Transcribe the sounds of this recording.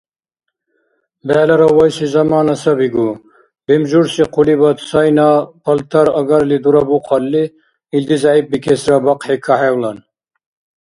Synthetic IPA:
bæːlɐɾɐwɐjsizɐmaːnɐsɐbiɡu | bemd͡ʒuɾsiqʰulibɐt̪sɐjnapʰɐlt̪ʰɐɾɐɡɐɾlid̪uɾɐbuqʰɐlːi | ild̪izɑʕip̚bikʰesɾɐbɐqekʰɐhewlɐn

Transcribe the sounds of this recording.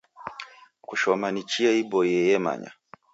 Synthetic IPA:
kuʃɔmanit͡ʃiaibɔjɛjɛma̰ɲa̰

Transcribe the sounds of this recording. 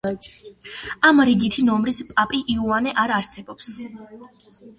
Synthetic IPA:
amɾiɡit̪ʰinɔmɾispʼapʼiʔiuanɛʔaɾaɾsɛbɔps

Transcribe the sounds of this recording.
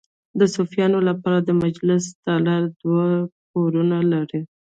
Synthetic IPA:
d̪əsofijɑnolapɑɾad̪əmad͡ʒlɪsd̪ɑlaɾd̪wak̚oɾunalaɾi

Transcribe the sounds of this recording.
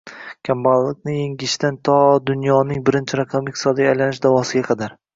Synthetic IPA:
kʲʰambalˠːɪk̚ʲnɪjeŋɡʲɪʃt̪ant̪ʰɒd̪ʊnjɒnɪŋbɪɾɪnt͡ʃʰɪɾakʰamɪt̪ɪsɒd̪iajlanɪʃd̪avɒsɪɡʲaqʰɑd̪aɾ

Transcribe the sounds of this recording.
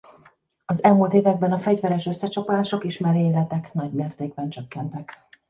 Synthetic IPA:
ɒzɛlmult̪eːvɛɡ̚bɛnɒfɛɟvɛɾɛʃøsːɛt͡ʃɒpolaːʃokeːʃmaːɾeːlɛt̪ɛknɒɟmeːrt̪eːɡbɛnt͡ʃøkːɛnt̪ɛk

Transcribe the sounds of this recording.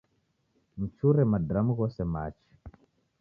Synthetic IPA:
mut͡ʃuɾɛmadɾamuɣɔsɛma̰t͡ʃi̥

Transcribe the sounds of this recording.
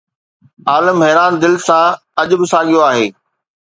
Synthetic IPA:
aːləmɦɛːɾaːnd̪ɪlsã | ɐʄʊbɪsaːɠijoaːɦeː

